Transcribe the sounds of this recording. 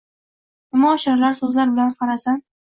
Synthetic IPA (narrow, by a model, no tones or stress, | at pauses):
ʊmaːʃɪɾlaɾsɵzlaɾbɪlanqʰɑɾasan